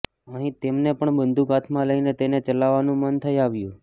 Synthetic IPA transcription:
əɦĩt̪emnepəɳbənd̪ʱuɡat̪ʰmãləinet̪enet͡ʃəlaʋanũmənt̪ʰəjaʋjũ

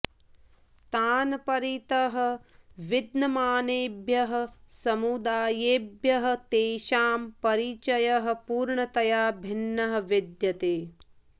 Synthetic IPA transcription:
t̪aːnɐpɐɾit̪ɐɦɐ̆ʋid̪nɐmaːneːbʱjɐɦɐ̆sɐmud̪aːjeːbʱjɐɦɐ̆t̪eːʃaːmpɐɾit͡ʃɐjɐɦɐ̆puːɾɳɐt̪ɐjaːbʱinːɐɦɐ̆ʋid̪jɐt̪eː

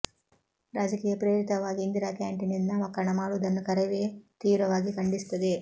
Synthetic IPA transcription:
ɾaːd͡ʒɐkiːjɐpɾeːɾit̪ɐʋaːɡiːnd̪iɾaːkaːɳʈininːɐʋɐkɐnɐmaːlud̪ɐnːikɐɾɐʋeːt̪iːʋɾɐʋaːɡikɐɳɖist̪ɐd̪i

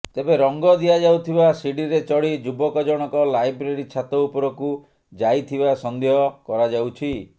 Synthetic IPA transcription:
t̪ebeɾɔŋɡɔd̪iad͡ʒawt̪ʰibasiɽiɾet͡ʃɔɽid͡ʒubɔkɔd͡ʒɔɽ̃ɔkɔlajbɾeɾit͡ʃʰat̪ɔupɔɾɔku | d͡ʒajt̪ʰibasɔnd̪eɦɔkɔɾad͡ʒawt͡ʃʰi

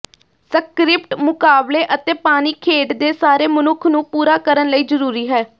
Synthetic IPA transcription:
səkɾɪpʈmʊkaːbleːʔət̪eːpaːniːkʰeːʈd̪eːsaːɾeːmənʊkʰnũːpuːɾaːkəɾənləiːzəɾuːɾiːɦɛː

